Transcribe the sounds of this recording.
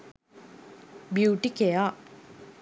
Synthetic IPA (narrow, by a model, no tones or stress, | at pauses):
bjuːʈikeja